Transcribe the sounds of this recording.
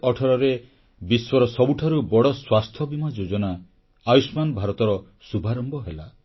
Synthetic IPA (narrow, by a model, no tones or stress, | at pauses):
ɔʈʰɔɾɔɾe | biswɔɾɔsɔbuʈʰaɾubɔɽɔswast̪ʰɔbimad͡ʒod͡ʒɔnaː | jusmanbʱaɾɔt̪ɔɾɔ | subʱaɾɔmbɔɦela